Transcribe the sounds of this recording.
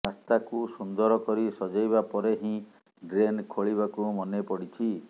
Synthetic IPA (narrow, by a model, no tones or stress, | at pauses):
ast̪akusund̪ɔɾɔkɔɾisɔd͡ʒajβapɔɾeɦĩ | ɖɾenkʰoɭibakumɔnepɔɽit͡ʃʰi